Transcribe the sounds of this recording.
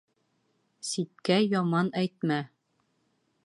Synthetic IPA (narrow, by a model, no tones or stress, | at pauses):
sit̪̚kæjɒmɑnæjt̪̚mæ